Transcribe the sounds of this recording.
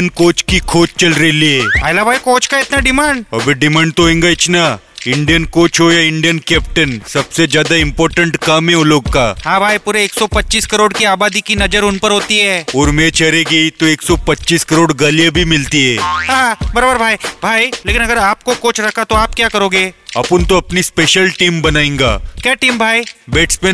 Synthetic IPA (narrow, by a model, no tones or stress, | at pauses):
nkoːt͡ʃkikʰoːt͡ʃt͡ʃɐlɾeliebaɪlabʱaːikoːt͡ʃkaɪt̪naɖɪmaːɳɖ̚ɐbʱiɖɪmãːɳɖ̚t̪oɦẽːŋɡaɪt͡ʃna | ɪ̃ɳɖijənkoːt͡ʃɦojaɪ̃ɳɖijənkɛːp̚ʈənsɐbsed͡ʒjaːd̪aɪ̃mpɔːɾʈə̃ɳʈkɐmɦɛ̃ɦoloːɡkaːɦãːbʱaːipuːɾeeːksɔpɐtːt͡ʃiːskɐɾoːɽkiaːbaːd̪ikinɐd͡ʒəɾʊnpəɾɦoːt̪iɦɛːoːɾmẽt͡ʃɐɾeːɡit̪oeːksɔpɐtːt͡ʃiːskɐɾoːɽɡɐlijebʱimɪlt̪iɦɛːɦãːbɐɾaːbəɾbʱaːibʱaːileːkɪnɐɡəɾaːp̚kokoːt͡ʃʰɾɐkʰat̪oaːpkjaːkɐɾoːɡeːɐpʊnt̪oɐpnispeːʃəlʈiːmbɐnaːẽːŋɡa̰ːkjaːʈiːmbʱaːibeːʈspẽ